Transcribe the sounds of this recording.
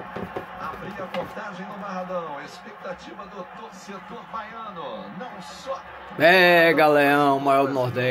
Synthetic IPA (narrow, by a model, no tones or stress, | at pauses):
abɾĩɐpoɾt̪aʒẽj̃nʊmaɦad̪ɐ̃w̃espek̚t̪at͡ʃivɐd̪ʊt̪oset̪oɾbajɐ̃nʊnɐ̃w̃sɔ | ɛɡaleɐ̃w̃ʊmajɔɾd̪nɔɾd̪ɛ